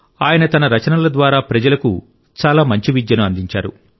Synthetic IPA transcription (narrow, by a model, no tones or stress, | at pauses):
aːjɐnɐt̪ɐnɐɾɐt͡ʃɐnɐlɐd̪ʋaːɾaːpɾɐd͡ʒɐlɐkṵ | t͡ʃaːlaːmɐɲt͡ʃiʋid̪jɐnuɐnd̪iɲt͡ʃa̰ːɾṵ